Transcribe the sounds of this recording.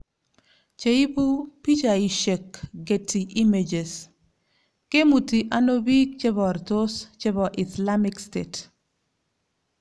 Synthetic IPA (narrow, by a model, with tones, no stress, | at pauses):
t͡ʃe˦i˦bu˦pi˦t͡ʃa˨i˨ʃe˨kɡe˨tʰi˨ʔi˦med͡ʒe˨s | ke˦mu˨ti˨ʔa˦no˦bi˦k̚t͡ʃe˦bɔ˨rt̪o˦st͡ʃe˦bɔ˨ʔisla˦mɪkstet